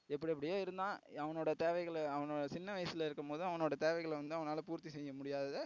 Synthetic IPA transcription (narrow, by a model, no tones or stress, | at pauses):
ɛpːɐɽiɐp̬ːɐɽɪjoːɪɾɯnd̪ãːɐʋɐnoːɽɐt̪eːʋɐɪɣɐɭɐʋɐnoːɽɐsɪnːɐʋɐjɐsɪlɐɪɾɯkːɐmpoːðɯ̃ɐʋɐnoːɽɐt̪eːʋɐɪɣɐɭʋɐnd̪ɯɐʋɐnaːlɐpuːɾt̪ːisɛjːɐmʊɽɪjaːðɐðɯ